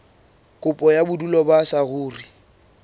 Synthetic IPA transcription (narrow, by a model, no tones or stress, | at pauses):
kʼʊpʼɔjabʊdulɔbasaɣʊːri